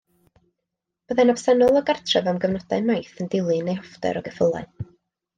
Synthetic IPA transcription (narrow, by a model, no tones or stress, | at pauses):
b̥əðɛnɔbsɛnʊlˠɔɡartʰrɛvɛwmɡəvnɔd̥aɨmajθəndɪlˠɨnejhɔfdɛ̰ɾɔɡəfəlˠa̰ɨn